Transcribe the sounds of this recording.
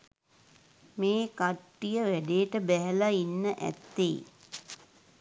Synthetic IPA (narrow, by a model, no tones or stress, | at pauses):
meːkaʈːijəʋæɖeːʈəbæɦəlainːəʔæ̰t̪ːḛː